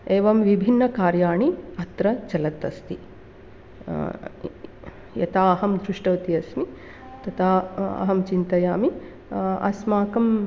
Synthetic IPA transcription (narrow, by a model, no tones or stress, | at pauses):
eːʋɐmʋibʱinːɐkaːɾjaːɳiɐt̪ɾɐt͡ʃɐlɐt̪ɐst̪i | jɐ̰t̪aːɐɦɐmd̪ɾuʂʈɐʋt̪iɐsmi | t̪ɐt̪ʰaːɐ̰ɦɐmt͡ʃint̪ɐjaːmi | ɐ̰smaːkɐm